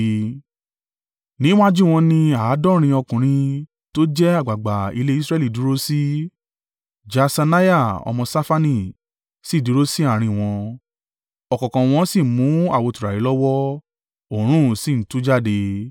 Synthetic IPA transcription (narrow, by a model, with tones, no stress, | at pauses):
nĩ˦w̃ã˦d͡ʒu˦˨w̃ɔ̃˧nĩ˧a˨˦dɔ̃˦ɾ̃ĩ˧ɔ˧kũ˨ɾ̃ĩ˧ | to˦d͡ʒɛ˦a˦˨ɡ͡ba˨ɡ͡ba˨ḭ˧le˧˦i˦sɾɛ˦li˦˨du˨˦ɾo˦si˦ | d͡ʒa˧sa˧na˦ja˦˨ɔ̰˧mɔ̃˧sa˦fa˦nĩ˦˨ | si˦˨du˨˦ɾo˦si˦a˦˨ɾ̃ĩ˧w̃ɔ̃˧ | ɔ˨kɔ̃˨kã˨w̃ɔ̃˧˦si˦˨mũ˨˦a˦˨wo˧tu˨ɾa˨ɾi˨˦lɔ˦wɔ˦ | o˦˨ɾ̃ũ˦si˦˨n̩˨˦tu˨˦d͡ʒa˦˨de˧